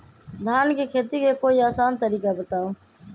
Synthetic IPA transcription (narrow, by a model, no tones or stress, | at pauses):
d̪ʱaːnkekʰeːt̪ikekoːiaːsaːnt̪əɾiːkabət̪ãː